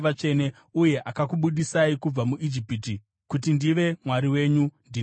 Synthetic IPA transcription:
ʋat͡ʃe̞ne | uje̞ʔakakuɓuɗisaikub͡vamuʔid͡ʒipiti | kutindiʋe̞mwaɾiwe̞ːɲundi

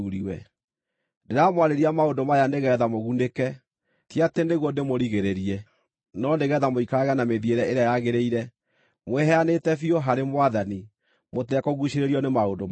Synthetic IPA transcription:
uɾiwɛ | ndeɾamwaɾeɾiamaondomajaneɣɛːðamoɣunekɛ | tjatendeɣɔndemoɾiɣeɾeɾiɛ | nɔndeɣɛðamoikaɣɛnameðieɾɛeɾeajaɣeɾeiɾɛ | mwɛɦɛanetɛfioɦaɾemwaðani | motɛkɔɣuʃeɾeɾiɔnemaondom

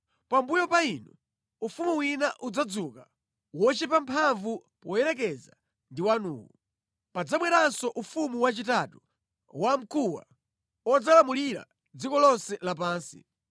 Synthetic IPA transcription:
pambujɔpainu | ufumuwinaʔud͡zad͡zuka | wɔt͡ʃɛpampʰaɱvupɔjɛɾɛk̬ɛza | ndiwanṵːwu | pad͡zamwɛɾansɔʔufumuwat͡ʃitatu | wam̩kuwa̰ | ɔd͡zalamuliɾa̰ | d͡zikɔlɔnsɛlap̬aːnsḭ

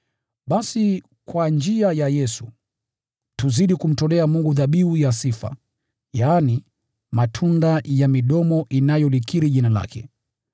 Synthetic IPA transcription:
ɓasi | kwand͡ʒiajajɛsu | tuziɗikum̩tɔlɛamuŋɡuðaɓiujasifa̰ | jaːni | matʰundajamiɗɔmɔʔinajɔlikiɾiʄinala̰kʰɛ̰

